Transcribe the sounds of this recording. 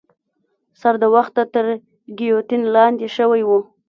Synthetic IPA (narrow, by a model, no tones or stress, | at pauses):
saɾd̪əwaxt̪ːat̪əɾ | ɡijot̪inlɑnd̪eʃəwajwu